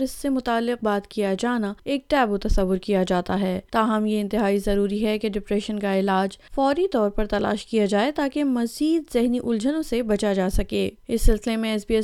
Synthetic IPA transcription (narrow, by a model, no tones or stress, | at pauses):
ɾɪsːemʊt̪aːlːɪq̚baːt̪kijad͡ʒaːnaeːk̚ʈɛːbot̪ɐsɐʋːʊɾkijad͡ʒaːt̪aɦɛːt̪aːɦɐmjeɪ̃nt̪ɪɦaːizɐɾuːɾiɦɛkeɖɪpɾɛːʃənkaɪlaːd͡ʒfɔːɾit̪ɔːɾpɐɾt̪ɐla̰ːʃkijad͡ʒaːet̪aːkemɐziːd̪zɪɦniʔʊld͡ʒənõsebɐt͡ʃad͡ʒaːsɐkeːɪsːɪlsɪlemẽɛsbiːɛ